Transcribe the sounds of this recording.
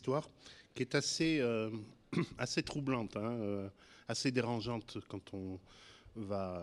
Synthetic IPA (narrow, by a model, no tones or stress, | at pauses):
st̪waʁkʲiɛt̪aseø | aset̪χublɑ̃t̪ɛ̃ø | ased̪eʁɑ̃ʒɑ̃t̪kɑ̃t̪ʰɔ̃ | va